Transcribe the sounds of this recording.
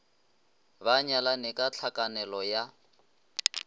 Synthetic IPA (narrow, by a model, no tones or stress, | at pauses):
baɲalanɛkʼat͡ɬʰakʼanɛlɔja